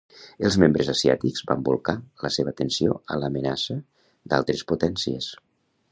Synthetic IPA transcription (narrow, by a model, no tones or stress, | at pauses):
əlˠzmembɾəzəsia̰t̪iɡz̥ba̰mbulˠkaləseβət̪ənsio̰ə̰ləmənasə | d̪a̰lˠt̪ɾəsput̪ɛnsiə̰s